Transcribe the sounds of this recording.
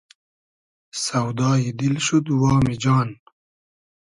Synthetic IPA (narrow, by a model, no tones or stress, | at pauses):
sɐwd̪ɑːjid̪ilʃud̪wɑːmid͡ʑɑːn